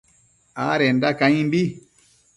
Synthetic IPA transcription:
aɾɛndakaɲĩmbi

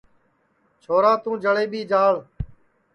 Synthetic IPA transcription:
t͡ʃʰoːɾaːt̪ũːd͡ʒəɭeːɓiːd͡ʒaːɭ

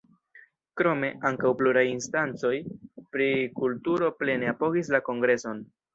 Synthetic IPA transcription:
kɾo̞me̞ʔaŋkawpluɾajinstant͡so̞jpɾikultuɾo̞ple̞neapo̞ɡis̬lako̞ŋɡɾe̞so̞n

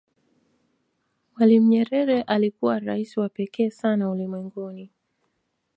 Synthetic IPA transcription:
mwalim̩ɲɛɾɛɾɛʔalikuwaɾaisiwapɛkɛːsanaulimwɛŋɡuni

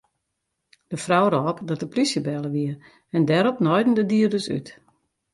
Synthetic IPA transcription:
d̥əfrawɾɔːpdɔt̚dəplisjəbɛlˠəʋiə | ɛndɛɾɔpnɔjdn̩dədiərdəsy̰t

